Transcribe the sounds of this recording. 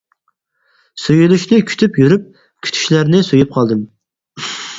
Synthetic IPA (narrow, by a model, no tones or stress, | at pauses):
søjylyʃnɪkʲʰy̥t̪ʰypjyɾyp̚ | kʲʰy̥t̪ʰy̥ʃlæɾnɪsøjyp̚qʰɑlˠd̪ɨm